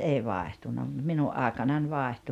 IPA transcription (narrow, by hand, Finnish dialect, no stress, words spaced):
eˑi ʋɑehtunːɑ mut minuʔ ʔɑˑekɑnɑnʲ ʋɑˑehtu